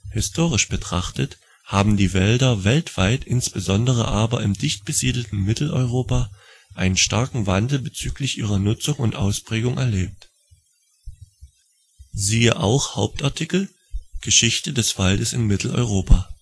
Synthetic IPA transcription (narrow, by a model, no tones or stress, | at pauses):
hɪstʰoːʁ̞ɪʃb̥ətʁ̥aχtət | haːbm̩diːvɛldɐvɛltv̥aɪtʔɪnsb̥əzɔndəʁ̞ə̰ʔaːbɐɪmdɪçt̚b̥əziːdl̩tn̩mɪtl̩ʔɔ̰ʏʁoːpaː | ʔaɪnənʃtaɐkŋ̩vandl̩bət͡syːklɪçʔiːʁ̞ɐnʊt͡sʊŋʊntʔa̰ʊspʁ̥ɛːɡʊŋʔɛɐleːp̚t | ziːəʔa̰ʊxhaʊp̚taɐtʰikl̩ | ɡ̥əʃɪçtədɛsv̥aldəsɪnmɪtʰl̩ɔ̰ʏʁoːpaː